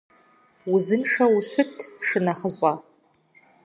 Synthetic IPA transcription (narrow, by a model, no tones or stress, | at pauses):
uzɨnʂawuɕʷʊtʰʂɨnaχəɕʷʼa